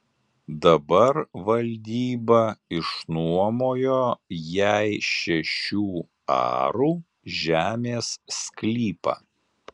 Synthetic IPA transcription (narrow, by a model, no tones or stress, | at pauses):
d̪ɐbɐɾʋɐlʲd̪ʲiːbɐɪʃnuɔmoːjoːjæɪʃʲɛʃʲuː | ɑ̰ːɾuː | ʒʲæːmʲeːsːklʲiːpɐ̰